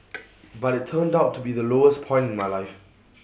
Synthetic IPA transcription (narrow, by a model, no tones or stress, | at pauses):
batɪtʰɜ̃ndaʊtʰːubiðəloʊəspʰɔ̃ɪ̃ntɪ̃nmaɪlaɪf